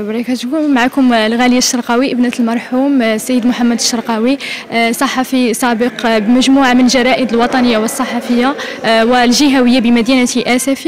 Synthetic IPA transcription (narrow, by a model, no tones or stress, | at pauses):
bɾˤikæt̪kumʕakʊmlɣæləjːaʃːɑɾˤqɑwiʔəbnæt̪lmɑɾˤħumsːæjːəd̪mʊħamːæd̪əʃːɑɾˤqɑwisˤɑħɑfisˤɑbəqbmæʒmuʕamənlʒɑɾˤɑʔəd̪əlwɑt̪ˤɑnəjːawəsˤːɑħɑfəjːawəlʒiɦæwəjːabəmæd̪jinæt̪iʔæsæf